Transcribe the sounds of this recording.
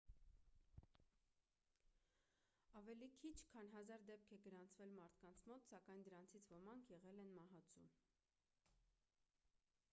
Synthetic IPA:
ɑvɛlikʰit͡ʃʰkʰɑnɦɑzɑɾd̪ɛp̚kʰɛɡəɾɑnt͡sʰvɛlmɑɾt̪ʰkɑnt͡sʰmɔt̪sɑkɑjnd̪əɾɑnt͡sʰit͡sʰvɔmɑŋkʰjɛʁɛlɛnmɑɦɑt͡sʰṵ

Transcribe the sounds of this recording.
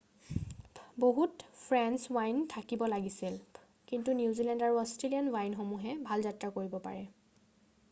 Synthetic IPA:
boɦutpʰɹɛnswajntʰakibɔlaɡisil | kintunjuuzilɛndaɹuɔstɹelianwajnxomuɦɛbʱalzatɹakoɹibɔpa̰ɹɛ

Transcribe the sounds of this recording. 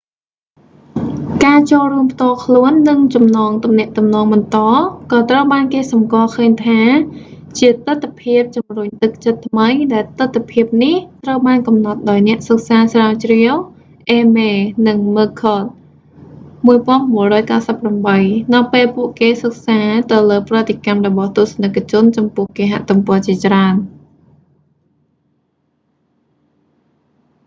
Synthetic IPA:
kaːt͡ɕoːlruəmpʰt̪ŏəlkʰluənːɨŋt͡ɕɑmnɑːŋt̪umnɛ̆əʔt̪umnɑːŋɓɑnt̪ɑːkɑːt̪rəwɓaːnkeːsɑmkoəlkʰəːɲt̪ʰaː | t͡ɕiət̪ɨt̪ʰːapʰiəp̚t͡ɕumruɲt̪ɨk̚t͡ɕət̪ʰːməjɗaɛlt̪ɨt̪ʰːpʰiəp̚niht̪rəwɓaːnkɑmnɑt̪̚ɗaɔjnɛ̆əʔsək̚saːsraɔt͡ɕriəw | ʔeːmeːnɨŋməːkʰːɔːt̪̚ | muəjpŏənmuərɔːjkaːsəpːramɓəjnɨwpeːlpuəʔkeːsək̚saːt̪ɨwləːprɔət̪ekamrɔɓɑht̪ŭəsnəkːt͡ɕʊ̆ənt͡ɕɑmpʊ̆əhkeːɦa̰ʔt̪umpɔət͡ɕiət͡ɕraən

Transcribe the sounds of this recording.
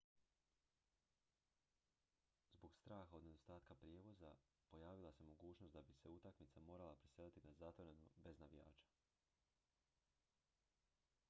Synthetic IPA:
zbo̞ɡst̪ɾaːxaod̪ne̞d̪o̞st̪aːt̪̚kapɾjeːʋo̞za | po̞jaːʋilˠase̞mo̞ɡuːt͡ʃno̞st̪d̪abise̞ut̪akmit̪samo̞ːɾalˠapɾiselit̪inazat̪ʋoɾeno̰be̞znaʋija̰ːt͡ʃḁ

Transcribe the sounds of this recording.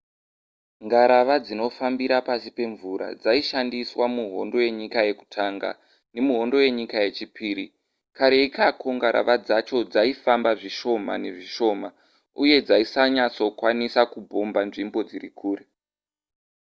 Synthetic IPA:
ŋɡaɾaʋad͡zino̞fambiɾapasipe̞ɱvuɾa̰d͡zaiʃandiswamuɦo̞ndo̞je̞ɲikaje̞ku̥tʰaŋɡa̰ | ne̞muɦo̞ndo̞je̞ɲikaje̞t͡ʃipʰiːɾi | kaɾeikako̞ŋɡaɾa̰ʋad͡zat͡ʃo̞d͡zaifambaʐiʃo̞ma̰ne̞ʐiʃo̞ːma | uje̞d͡zaisaɲat͡so̞kwanisakubʱombanʐimbo̞d͡zirikʰuːre

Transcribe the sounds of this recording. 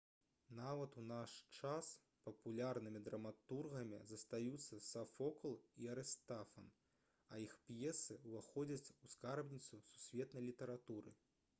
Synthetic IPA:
navɐt̪unaʂt͡ʂas | pɐpulʲarnɨmʲid̪ɾɐmat̪urɣɐmʲḭzɐst̪ajut̪sːɐsafɔklˠiɐɾɛst̪afɐn | ɐixpjɛsɨuvaxɔd͡zʲɐt͡sʲuskarbnʲit̪susu̥sʲvʲɛt̪nɐjlʲit̪ɐɾat̪uɾɨ̰

